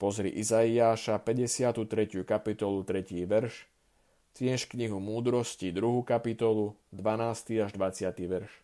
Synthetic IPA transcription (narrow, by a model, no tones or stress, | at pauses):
pɔzɾḭʔizaiaːʃapɛɟɛsɪat̪ut̪ɾɛcjukapit̪ɔlut̪ɾɛciːʋɛɾʃ | t̪ɪɛʃkɲiɦumuːd̪ɾɔscid̪ɾuɦukapit̪ɔlud̪ʋanaːst̪iaʒd̪ʋat͡sɪat̪iʋɛɾʃ